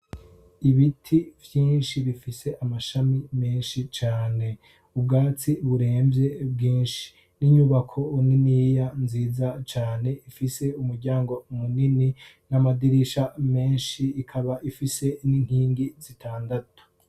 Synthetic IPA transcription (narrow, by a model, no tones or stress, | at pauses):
iβitʰivjiːnʃiβifise̞ʔamaʃamimeːnʃit͡ʃaːne̞ | ubɡaːt͡siβuɾe̞ːmbje̞bɡiːnʃi̥ | niɲuβakʰo̞ninijanziːzat͡ʃaːne̞ifise̞umuɾɟaːŋɡo̞munini | namadiɾiʃame̞ːnʃiːkʰaβaʔifise̞niŋ̥hiːŋɡizitʰaːndatu̥